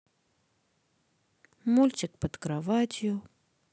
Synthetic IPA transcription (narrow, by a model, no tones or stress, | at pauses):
mulʲt͡ɕɪkpət̪kɾavatʲjʊ